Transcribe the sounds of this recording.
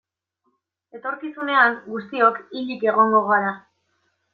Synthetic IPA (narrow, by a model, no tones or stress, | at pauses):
e̞t̪o̞ɾkisune̞aŋɡust̪io̞kiʎike̞ɣo̞ŋɡo̞ɣoaɾa